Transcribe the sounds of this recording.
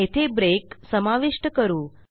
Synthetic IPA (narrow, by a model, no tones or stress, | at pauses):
et̪ʰebɾeksəmaʋiʂʈəkəɾuː